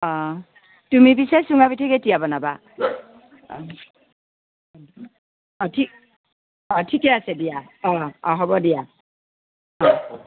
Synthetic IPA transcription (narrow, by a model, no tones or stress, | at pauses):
ɔ | tumibisasuŋabitʰaɡetijabɔnaba | ɔtʰik | ɔtʰikɛasɛdijaɔɔɦɔbɔdija | ɔ